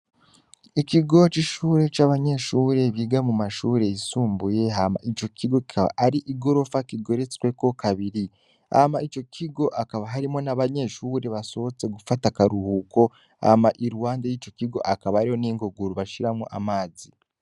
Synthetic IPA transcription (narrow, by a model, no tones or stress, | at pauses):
ikiɡo̞t͡ʃiʃuːɾe̞t͡ʃaːβaɲe̞ʃuːɾe̞βiːɡamumaʃuːɾe̞isuːmbuje̞ɦama̰ʔit͡ʃo̞kʰiɡoki̥aβa̰ʔaɾiʔiɡo̞ɾo̞fakiɡo̞ɾet͡swe̞ko̞kaβiɾi | ha̰mait͡ʃo̞kʰiɡo̞ʔakaβaɦaɾimo̞naβaɲe̞ʃuːɾe̞βaso̞βot͡se̞ɡufatakaɾuhuːkʰo̞ | ha̰maʔiɾuwaːndajiːt͡ʃo̞kiɡo̞ʔakaβaaɾiho̞niːŋɡoɡuɾuβaʃiɾamoʔa̰maːzi